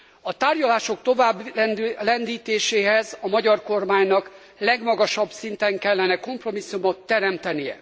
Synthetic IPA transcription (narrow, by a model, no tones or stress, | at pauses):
ɒt̪aːrɟɒlaːʃo̞k̚t̪o̞vaːblɛnd̪iːt̪eːʃeːɦɛzɒmɒɟɒrko̞rmaːɲnɒk | lɛɡmɒɡɒʃɒbsint̪ɛŋkɛlːɛnɛko̞mpro̞misːumot̪ːɛɾɛmt̪ɛnijɛ̰